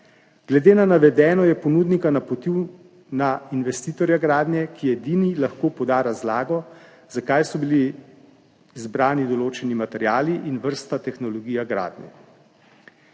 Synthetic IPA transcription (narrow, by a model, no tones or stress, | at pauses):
ɡ̥lɛd̪eːnanaʋɛd̪ɛːnɔjɛpɔnuːd̪nikanapɔt̪iw | nainʋɛst̪iːt̪ɔɾjaɡɾaːd̪nʲjɛkijɛd̪iːnilaxkoːpɔd̪aːɾazlaːɡɔ | zakajsɔbili | zbɾaːnid̪ɔloːt͡ʃɛnimat̪ɛɾjaːliʔinʋəɾst̪at̪ɛxnɔlɔɡiːjaɡɾa̰ːd̪njɛ̰